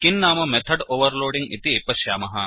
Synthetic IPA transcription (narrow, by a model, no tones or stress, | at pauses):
kinːaːmɐmet̪ʰɐɖoːʋɐɾloːɖiŋɡḭt̪iepɐʃjaːmɐɦɐ